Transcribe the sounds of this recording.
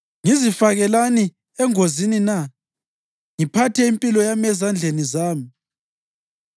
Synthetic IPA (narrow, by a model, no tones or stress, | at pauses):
ŋizifaɣɛlani | ɛŋozinina | ŋipʰatʰɛimpʼilɔjamɛzand͡ɮʱenizaːmi